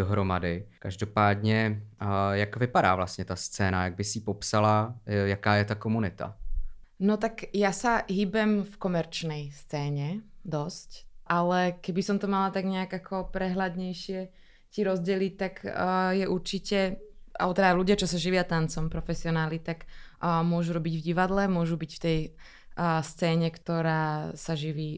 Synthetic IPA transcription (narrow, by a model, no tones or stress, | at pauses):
oɦɾoma̰dɪkaʒdopaːd̪ɲɛ | jakvɪpada̰ːvla̰st̪ɲɛt̪ast͡sɛːna̰jaɡ̚bɪsipɔpsalajakaːjɛt̪akomunɪt̪a̰ | nɔt̪akjasaɦiːbɛmfkɔmɛɾt͡ʃnɛjst͡sɛːɲɛd̪ɔscʔalɛkɛbisɔmt̪ɔmalat̪aɡɲɛaɡakʰɔpɾɛɦlad̪ɲɛjʃɪɛ | ciɾɔzɟɪɛlic̚t̪akːjɛʔuɾt͡ʃicɛʔa̰ɔt̪ɛd̪aluɟɪat͡ʃɔsaʒiʋɪat̪ant͡sɔmpɾɔfɛsiɔnaːlit̪akːmʊɔʒuɾɔbiɟvɟiʋad̪lɛmʊɔʒubicft̪ɛj | st͡sɛːɲɛkt̪ɔɾaːsaʒiʋiː